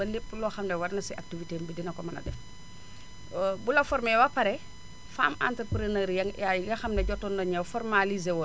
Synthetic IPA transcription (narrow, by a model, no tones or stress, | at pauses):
ɐlepːlɔxɐmlɛwɐɾnɐsiʔak̚tiviteːmbidinɐkɔmɐnɐ̰dɛf | bulɐfɔɾmɛwapɐɾɛ | faːma̰ntɾəpɾenəɾjɐŋjajɡɐxɐmnɛɟɔtːɔndɐɲɛwfɔrmalizewɔ